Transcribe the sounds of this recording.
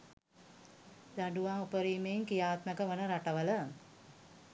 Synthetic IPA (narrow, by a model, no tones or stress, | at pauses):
d̪aɖuʋaɦupəɾiːmeŋkijaːt̪məkəʋənəɾaʈəʋələ